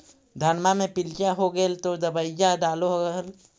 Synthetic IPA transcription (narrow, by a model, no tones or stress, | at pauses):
d̪ʱanmamẽpɪlt͡ʃaɦoɡəlt̪od̪əbəɪd͡ʒaɖaːloɦoɡəl